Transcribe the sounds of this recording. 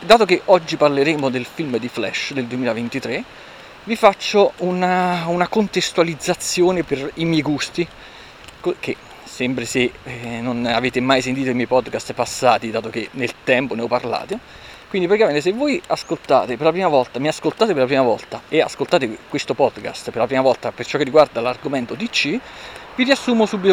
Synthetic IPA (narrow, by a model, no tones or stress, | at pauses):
d̪aːt̪ok̟eʔɔd͡ʒːiparleɾeːmod̪elfilmd̪iflɛ̰ʃd̪eld̪uemiːlavent̪it̪ɾe | vifat͡ʃːounaunakont̪est̪ualid̪zːat̪sːjoːneperimjɛjɡust̪i | kk̟e | sɛmpɾesenːonaveːt̪emajs̬ent̪iːt̪oimɛjpɔd̪kast̪pasːaːt̪id̪aːt̪okenelt̪ɛmponeɔpːarla̰ːt̪e | kwind̪ipɾot̪kament̪esevːojaskolt̪a̰ːt̪eperlapɾiːmavɔlt̪amiaskolt̪aːt̪eperlapɾiːmavɔ̰lt̪aea̰skolt̪aːt̪ekwest̪opɔd̪ka̰st̪perlapɾiːmavɔlt̪apert͡ʃɔkːerːiɡward̪alarɡoment̪ot̪it͡ʃːiviɾiasːuːmosuːbːit̪o